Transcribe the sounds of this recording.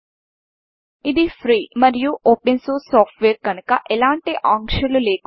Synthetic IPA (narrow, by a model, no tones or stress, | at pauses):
ɪd̪ʱifɾiːmɐɾijuʔoːpensoːssɔːfʈʋeːɾkɐnkaʔelãːɳʈeʔãːŋkʃɐluleːk